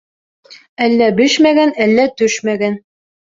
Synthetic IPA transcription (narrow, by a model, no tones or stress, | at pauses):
ælːæbɘʃmæɡænælːæt̪ɵʃmæɡæn